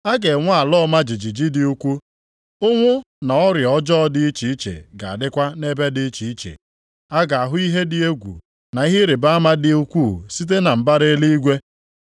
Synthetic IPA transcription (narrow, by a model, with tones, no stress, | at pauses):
a˦ɡe˨ŋʷa˦a˨lɔ˦ma˦d͡ʒi˨d͡ʒi˨d͡ʒi˦dɪ˨u˦kʷu˦ | ʊ˦ŋʷʊ˦ | na˨ɔ˦ɾjɔ˦d͡ʒɔ˦dɪ˦i˦t͡ʃi˨i˦t͡ʃḛ˨ɡa̰˨a˨dɪ˦kʷa˦ne˦be˦dɪ˦t͡ʃi˨i˦t͡ʃḛ˨ | a˦ɡa˨a˨ɦʊ˦i˦ɦe˦dɪ˨e˦ɡʷṵ˨ | na˨i˦ɦɪ˦ɾe˨ba˦a˦ma˦dɪ˨u˦kʷu˦˨si˦t̬e˦na˨m̩˨ba˦ɾe˦li˦i˦ɡʷe˦